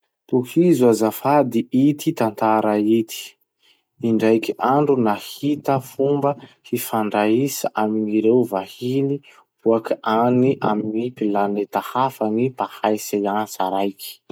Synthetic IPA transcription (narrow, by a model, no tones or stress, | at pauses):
t̪uhizuazafad̪iʔit̪it̪ant̪aɾait̪i̥ | iɳɖ͡ʐajkiʔaɳɖ͡ʐunahit̪əfumbəhifaɳɖ͡ʐaisaʔaminiɾewvahini̥ | uakianiʔa̰minipilanet̪ahafanipahajsaasaɾajki̥